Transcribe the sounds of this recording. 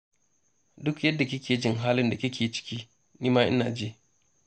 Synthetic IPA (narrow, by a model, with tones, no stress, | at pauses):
dʊ˦kjɐ˦dːa˨kʲɪ˦kʲeː˨d͡ʒɪ˦ŋɦaː˦lɪ˦nda˨kʲɪ˦kʲʰeː˨t͡ʃɪ̥˦kʲiː˦ | niː˦maː˦ʔɪ˦na̰ː˨d͡ʒeː˦